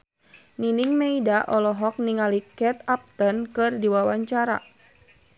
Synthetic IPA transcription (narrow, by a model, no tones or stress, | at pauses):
niniŋmeidaʔɔlɔɦɔk̚niŋalikɛt̪ap̚t̪ənkɨrdiwawaɲt͡ʃaɾa̰